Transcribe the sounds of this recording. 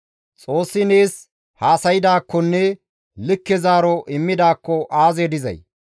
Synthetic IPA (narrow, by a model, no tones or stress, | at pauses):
t͡sʼo̞ːsːɪneːs | haːsɐjɪd̪aːkːɔnːɛ | lɪkːɛzaːɾɔʔɪmːɪd̪aːkːɔʔaːzeːd̪ɪzɐ̰j